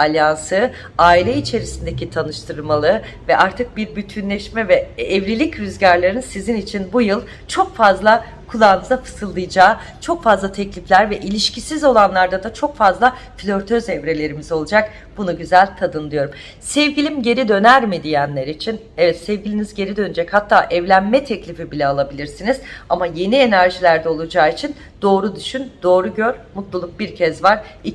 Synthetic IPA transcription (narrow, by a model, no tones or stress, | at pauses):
alʲjansɯ | aːilʲɛit͡ʃʰe̞ɾisind̪ecit̪ʰanɯʃt̪ʰɯɾɯɾmalˠɯ | vɛʔaɾt̪ʰɯk̚biɾbyt̪ʰynlʲɛʃmɛvɛːvɾilʲicɾyzɟaɾlʲˠaɾɯnsizinit͡ʃʰinbujɯlˠ | t͡ʃʰo̞kfazlˠa | kʰulˠaːnɯzˠafɯ̥sɯlˠːɯjd͡ʒaː | t͡ʃʰo̞kfazlˠat̪ʰɛclʲiflʲæɾvɛʔilʲiʃcʰisizo̞lˠanlˠaɾd̪ad̪at͡ʃʰo̞kfazlˠa | flʲøɾt̪ʰøzɛvɾe̞lʲe̞ɾimizo̞lˠud͡ʒak | b̥unuɟyzælʲt̪ʰad̪ɯnlˠɯjo̞ɾum | sɛvɟilʲimɟe̞ɾid̪ø̞næɾmid̪ijænlʲeɾit͡ʃʰin | ɛvɛt̪sɛvɡɟilʲinizɟe̞ɾid̪ø̞nyd͡ʒɛchat̪ʰːaːʔɛvlʲænmɛt̪ʰɛclʲifibilʲɛalˠabilʲiɾsiniz̥amaje̞nie̞næɾʒilʲæɾd̪ɛo̞lˠud͡ʒaːit͡ʃʰin | d̪̥o̞ːɾud̪yʃynd̪̥o̞ːɾuɟøɾmut̪lˠulˠuk̚biɾcʰɛzvaɾ̥i